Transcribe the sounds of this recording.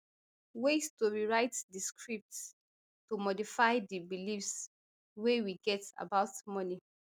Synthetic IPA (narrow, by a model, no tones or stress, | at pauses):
westoɹiɹaɪtdiskʰɹip̚t | tomɔdifaɪdibilifs | wewiɡɛta̰baʊtmɔni